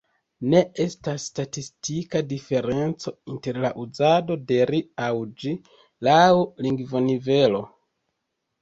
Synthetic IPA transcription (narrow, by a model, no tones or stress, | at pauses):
ne̞e̞stasːtatistikadife̞ɾe̞nt͡so̞inte̞ɾlaʔuzado̞de̞ɾiawd͡ʒi | lauliŋɡvo̞nive̞lo̞